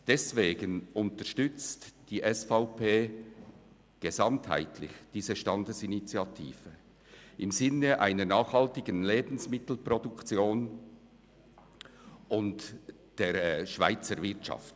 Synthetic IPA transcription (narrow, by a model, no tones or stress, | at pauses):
d̥ɛsveːɡənʔʊntəʃtʏt͡std̥iːʔɛsfaʊpʰeː | ɡ̥ezɑmtha̰ɪtʰlɪ̰çd̥iːzəʃtɑndəsinit͡sjɑtʰḭːv̥ə | ʔɪmzɪnəʔa̰ɪnənaːχhɑltɪɡənleːbn̩smɪtl̩prɔdʊkt͡sjoːn | ʔʊnt | d̥eːɾʃv̥a̰ɪt͡səɾvɪʁtt͡ʃɑ̰ft